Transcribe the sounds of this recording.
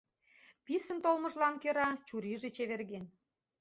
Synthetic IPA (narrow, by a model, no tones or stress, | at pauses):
pisə̆nt̪olmə̆ʒlɑnkøɾɑt͡ɕuɾiʒet͡ɕeβerɣen